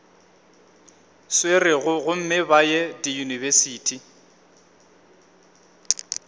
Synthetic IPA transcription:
swerɪɣʊɣʊm̩mɪbajɛdijunivɛsiːtʰi

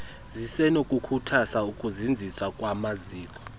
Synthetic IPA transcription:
zisɛnokʼukʰutʰasaukʼuzind͡zʱisakʼwamaziːkʼɔ̥

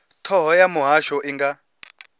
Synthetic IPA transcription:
tʰɔɦɔjamuɦaʃɔʔiŋɡa

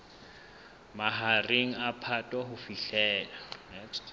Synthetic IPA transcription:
maɦareŋ̩apʰatʼwaɦʊfiɬɛːla

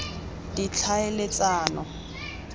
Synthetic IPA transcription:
dit͡ɬʰaelɪt͡saːnɔ

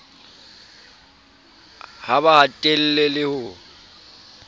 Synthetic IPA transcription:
haβahatʼel̩lelɪhʊ

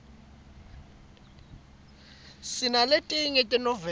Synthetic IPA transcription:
sinaletʼiŋɛtʼɛnɔvɛ

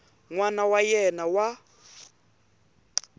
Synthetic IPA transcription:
ŋwanawajɛnawa

